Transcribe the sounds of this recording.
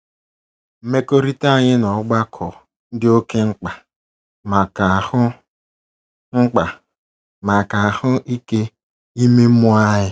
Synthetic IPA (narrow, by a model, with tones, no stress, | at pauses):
m̩˦me˦ko˦ɾi˦ta˦˨ɲɪ˦nɔ˨˦ɡ͡ba˦kʰɔ˨ | n̩˦dɪ˦o˦ke˦ŋ͡m̩˦k͡pa˨ | ma˨ka˨hʊ˦ | ŋ͡m̩˦k͡pa˨ | ma˨ka˨a˨hʊ˦ʔi˦ke˦ | i˦me˦mʊ˦a˦ɦɪ˦